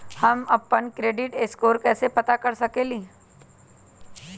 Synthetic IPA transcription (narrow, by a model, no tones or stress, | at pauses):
hɐmɐpːənkɾeːɖɪʈeːskoːɾkɛːsepɐt̪akɐɾsɐkeːliː